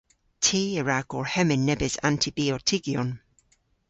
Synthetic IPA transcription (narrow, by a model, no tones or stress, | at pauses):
tʰiːəɹaɡ̥ɔɹhɛmɪnːɛbɪza̰ntʰibiɔtʰɪɡjɔn